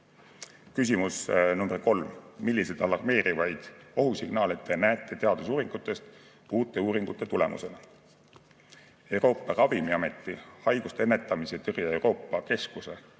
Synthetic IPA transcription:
kys̬ʲimusnumb̥erko̞lmmilːise̞d̪ɑlɑrme̞ːɾivɑjd̪̥o̞ɦusiɡ̥nɑːlet̪ːˑenæːt̪ːˑet̪e̞ɑd̪̥usuːɾiŋɡ̥ut̪ːˑe̞st̪ | uːt̪ːˑe̞uːɾiŋɡ̥ut̪ːˑe̞t̪ule̞̰mṵse̞nɑ | e̞wɾo̞ːpˑːɑrɑvimiɑme̞t̪ːˑihɑjɡ̥ust̪enːet̪ːˑɑmiset̪erjɑe̞wɾo̞ːpːɑke̞skuse̞

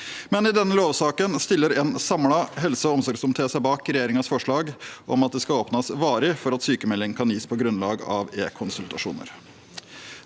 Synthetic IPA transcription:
mɛnɪd̪ɛnːəloːʋsɑːkənst̪ɪlːəɾɛːnsɑmlɑɦɛlsəɔmsɔɾɡsʊmt̪ʰeːsæɪbɑːkɾɛjeːɾɪŋɑsfɔʂɭɑːɡʔɔ̰mɑt̪̚d̪ɛskɑoːpnɑsʋɑːɾɪfɔɾɑt̪syːkəmɛlːɪŋkʰɑnjiːspʰɔɡɾʉnlɑːɡɑ̰ʋḛːkʰʊnsʉlt̪ɑʂṵːnə̰ɾ

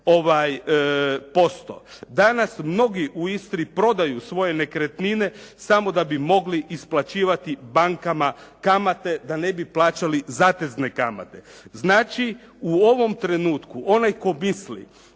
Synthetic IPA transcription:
o̞ʋaj | po̞st̪o̰d̪anasmno̞ɡiʔuist̪ɾipɾo̞d̪ajusʋo̞je̞ne̞kɾet̪nine̞samo̞d̪abimo̞ɡliʔisplˠat͡ɕiːʋat̪ibaŋkamakamat̪e̞d̪ane̞biplˠaːt͡ʃalizaːt̪e̞zne̞kama̰t̪e̞znaːt͡ʃi | uo̞ʋo̞mt̪ɾe̞nuːt̪kuʔo̞najko̞mislḭ

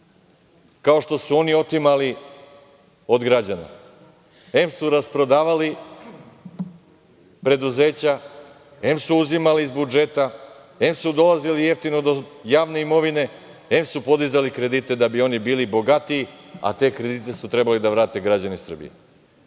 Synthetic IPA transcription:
kao̞ʃt̪o̞suo̞nio̞t̪imali | o̞d̪ɡɾad͡ʑana̰ | e̞msuɾaspɾo̞d̪aːʋali | pɾe̞d̪uze̞ːt͡ɕa | e̞msuuzimaliːzbud͡ʒe̞t̪a | e̞msud̪o̞lˠazilije̞ft̪ino̞d̪ojaːʋne̞imo̞ʋine̞ | e̞msupo̞d̪izalikɾe̞d̪it̪e̞d̪abio̞nibiːlibo̞ɡat̪iːa̰t̪e̞ːkɾe̞d̪it̪e̞sut̪ɾe̞balid̪aʋɾaːt̪e̞ɡɾad͡ʑanisr̩bḭjḛ

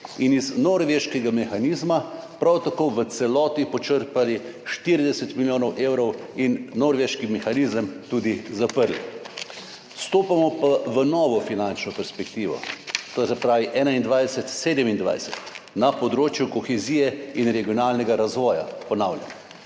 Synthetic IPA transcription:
iniznɔɾʋeʃkɛɡamɛxaniːzmapɾawt̪akoʋət̪sɛlɔːt̪ipɔt͡ʃəɾpaliʃt̪iɾid̪ɛsɛt̪miljoːnɔwʔewɾɔwinːoɾʋeʃkimɛxaniːzəmt̪uːd̪izapəɾlḭ | st̪oːpamɔpaʋənɔːʋɔfinant͡ʃnɔpɛɾspɛkt̪iːʋɔ̰t̪oːsɛpɾaːʋiʔɛːnaind̪ʋajdsɛt̪seːd̪əmind̪ʋa̰jsɛt̪napɔd̪ɾoːt͡ʃjukɔxɛziːjɛinɾɛɡijɔnaːlnɛɡaɾazʋɔːja̰pɔnaːwlʲja̰n

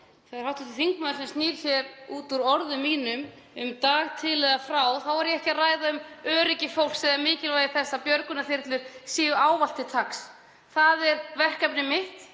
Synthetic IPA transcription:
θɛɣaɾ̥hawt̪at̪iθiŋkmaðlsɛmst̪niːɾ̥çjɛɾuːt̪uɾɔɾðʏmːiːnʏm | ʏmt̪aːɣt̪ʰɪlːɛɣafɾaːwθawvaɾjɛɛhcɪaraːjðaʏmœːɾɪcɪfowl̥sɛðaɾmɪːcɪlvaːjɪθɛsːapjœɾkʏnaθɪɾ̥t̪lɪɾ̥siːʏaːwval̥t̪ɪt̪ʰaks | θaðɛɾvɛr̥kap̚nɪmɪht̪

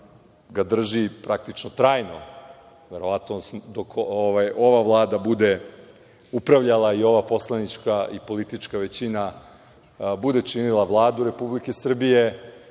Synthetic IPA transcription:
ɡad̪r̩ʒipɾak̚t̪it͡ʃnot̪ɾaːjno̞ | ʋe̞ɾo̞ʋat̪nosmd̪okoʋajʔo̞ʋaʋlˠaːd̪abud̪e̞ | upɾaʋʎalˠaio̞ʋapo̞slˠanit͡ʃkaipo̞lit̪it͡ʃkaʋe̞t͡ɕina | bud̪e̞t͡ʂinilˠaʋlˠaːd̪uɾe̞publike̞sr̩bije̞

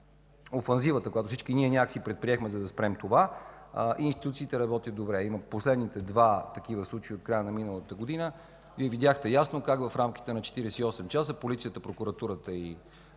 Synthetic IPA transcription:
ofɛnzivət̪əkojat̪ofsit͡ʃkiniɛnʲakksipɾɛt̪̚pɾiɛxmɛzɐd̪ɐspɾɛmt̪ova | ʔiːnst̪it̪ut̪siːt̪ɛɾɐbɔt̪ʲəd̪obɾɛiməposlɛd̪nit̪ɛd̪vat̪ɐkivəslˠut͡ʃeiot̪̚kɾajənɐminəlˠət̪əɡod̪inə | viɛvid̪ʲjaxt̪ɛjasnokakvɐfɾamk̟i̥t̪ɛnɐt͡ʃɛ̥t̪iɾɛsɛiɔsɛmt͡ʃasəpolit̪sijət̪əpɾokuɾɐt̪uɾət̪əi

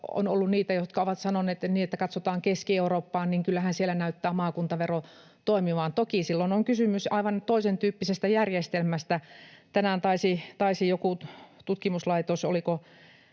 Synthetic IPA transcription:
o̰no̰lːunniːt̪æjot̪kɑoʋɑt̪sɑnoneːt̪niːet̪ːækɑt̪sot̪ɑːŋkeskieuroːpːɑːnniːŋkylːæhænsielænæyt̪ːæːmɑːkunt̪ɑʋero | t̪oimiʋɑːnt̪okisilːonoŋkysymysɑiʋɑnt̪oisent̪yːpːisest̪æjærjest̪elmæst̪æt̪ænænt̪ɑisit̪ɑisijokut̪ut̪kimuslɑit̪oso̰liko

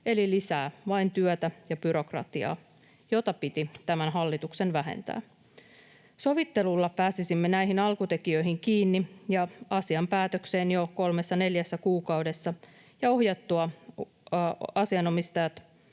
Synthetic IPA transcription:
e̞lilisæːʋɑint̪yœt̪æjɑb̥yɾo̞krɑ̰t̪iɑ̰ː | jot̪ɑpit̪it̪æmænɦɑlːit̪uksenʋæɦḛnt̪æ̰ː | so̞ʋit̪ːe̞lulːɑpæːsisimːenæiɦinɑlkut̪e̞kiø̞iɦiŋkiːnːijɑɑsiɑmpæːt̪økse̞ːnjoko̞lme̞sːɑne̞ljæsːækuːkɑwde̞sːɑ | jɑo̞ɦjɑt̪ːuɑ | ɑsiɑno̞mist̪ɑjɑt̪

